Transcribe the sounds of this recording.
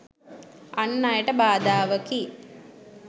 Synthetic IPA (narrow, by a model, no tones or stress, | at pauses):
ɐnːajɐʈɐbaːd̪aːʋɐki